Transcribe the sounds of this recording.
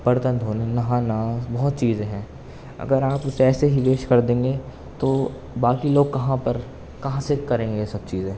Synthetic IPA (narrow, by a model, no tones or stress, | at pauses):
pɐɾt̪ə̃nd̪ʱɦoːnenɐɦãːnaːsbɐɦʊt̪̚t͡ʃiːzẽɦɛ̃ː | ɐ̰ɡəɾaːpʊseɛːseɦiʋeːʃkɐɾd̪ẽːŋɡe | t̪oː | baːkiloːɡ̚kɐɦãpɐɾ | kɐɦãsekɐɾẽːŋɡesɐb̚t͡ʃiːzẽː